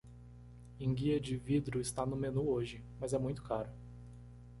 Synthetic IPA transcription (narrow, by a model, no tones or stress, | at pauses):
ẽɡiɐd͡ʒɪvid̪ɾʊɪst̪anʊmenuoʒɪ | mɐzɛmũj̃t̪ʊ̥kaɾʊ